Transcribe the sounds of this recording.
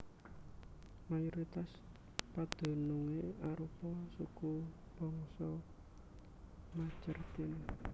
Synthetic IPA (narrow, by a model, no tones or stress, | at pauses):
majuɾit̪as | pad̪̥o̤nuŋeaɾupɔsuku | b̥ɔ̤ŋsɔ | mat͡ʃərt̪in